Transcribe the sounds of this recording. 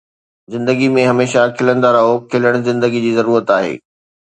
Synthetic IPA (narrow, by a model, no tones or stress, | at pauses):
zɪ̃nd̪əɡimẽɦɐmeːʃakʰɪlə̃nd̪aːɾaɦokʰɪləɽ̃zɪ̃nd̪əɡid͡ʑiːzɐɾuːɾət̪aːɦḛː